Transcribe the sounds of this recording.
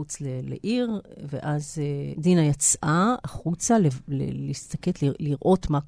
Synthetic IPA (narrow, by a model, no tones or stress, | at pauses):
ut͡slelḛʔiʁveʔazedinajat͡sʔaaχut͡salelḛliist̪aketliliʁʔo̞t̪ma